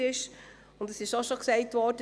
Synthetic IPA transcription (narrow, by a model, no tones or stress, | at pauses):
ɪʃ | ʊndɛsɪʃoʃoksɛɪtvʋɔd̥ə